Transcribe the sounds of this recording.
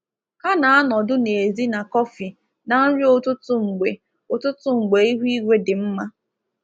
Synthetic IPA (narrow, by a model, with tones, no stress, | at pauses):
ka˦na˨a˦nɔ˨dʊ˦ne˨zi˦na˨kɔ˦fi˨ | na˨n̩˦ɾi˦o˦˨tʊ˦tʊ˦ŋ͡m̩˨ɡ͡be˨ | ʊ˨tʊ˦tʊ˦ŋ͡m̩˨ɡ͡be˨i˦ɦʷi˦ɡʷe˦dɪ˨m̩˦ma˦